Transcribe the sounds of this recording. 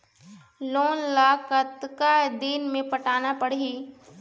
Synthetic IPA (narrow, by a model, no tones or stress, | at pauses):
loːnlaːkət̪kad̪iːnmẽpəʈaːnapəɽiː